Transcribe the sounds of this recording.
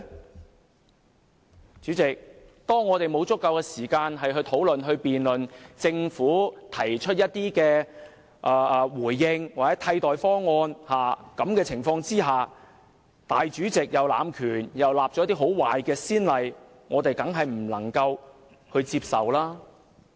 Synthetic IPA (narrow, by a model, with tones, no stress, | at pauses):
t͡ʃyː˨˥t͡sɪ˨k̚t̪ɔː˥ŋːɔː˨˧t̪e˨jmo˨˧wt͡sʊ˥kːɐ˧wkɛː˧siː˨˩kaː˧nɦɐ˨jɦɵ˧ɥt̪ʰo˨˥wlɵ˨nɦɵ˧ɥpiː˨nlɵ˨nt͡sɪ˧ŋfuː˨˥t̪ʰɐ˨˩jt͡ʃʰɵ˥t̚jɐ˥t̚t̪iː˥kɛː˧ | ʔːwuː˨˩jːɪ˧ŋwaː˨kt͡sɛ˨˥t̪ʰɐ˧jt̪ɔː˨jfɔː˥ŋɔː˧nhaː˨kɐ˨˥mkɛː˧t͡sʰɪ˨˩ŋfɔː˧ŋt͡siː˥ɦaː˨ | t̪aː˨jt͡ʃyː˨˥t͡sɪ˨k̚jɐ˨wla̰ː˨˧mkʰyː˨˩njɐ˨wlaː˨p̚t͡ʃɔ˨˥t̪iː˥ɦo˨˥wwaː˨jkɛː˧siː˥nlɐ˨j | ŋɔː˨˧t̪e˨jt̪ɐ˨˥ŋɦɐ˨jm̩˨˩lɐ̰˨˩ŋkɐ˧w | hɵ˧ɥt͡siː˧p̚sɐ̰˨wlaː˥